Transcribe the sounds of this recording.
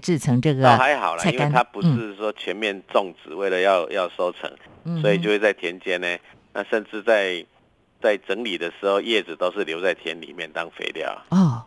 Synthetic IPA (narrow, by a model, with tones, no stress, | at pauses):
ʈ͡ʂɻ̩˥˩ʈ͡ʂʰɤ˧˥ŋʈ͡ʂɤ˥˩ɡə˩˨xa˧˦ɪxɑ˨˩ʊlɐ˦˥˩inwkae˥ɪ˩t̪ʰa˥pu˧˦ʂɻ̩˥˨ʂwɔ˥t͡ɕʰɥɛ˧˦˥nmjɛ˥˧nt͡sɔ˥˨˩ŋt͡sɹ̩˨˩we˥˩ɪlə˨jɑ˥˧ʊjɑ˥˨ʊso˥ʊt͡sʰɤ̰˧˦ŋ̩ | swɔ˧˥i˨˩t͡ɕjo˥˧ʊwe˥˧t͡sa˥˩ɪt̪ʰjɛ˧˥nt͡ɕjɛ˥ne˧˩ | na˥˧ʂə˥˧nʈ͡ʂɻ̩˥˧t͡sa˥˧ɪ | t͡sa˥˩ɪʈ͡ʂə˧˥ŋli˨˩d̪ə˦ʂɻ̩˧˥xo˥˧ʊjɛ˥˩d͡z̩˨˩t̪o˥ʊʂ̩˥˩ljo˧˥ʊt͡sa˥˩ɪt̪ʰjɛ˧˦nlḭ˨˩mjɛ˥˨nt̪ɑ˦ŋfḛ˧˥ɪljɑ̰˨˩ʊ˨ɔ˥˩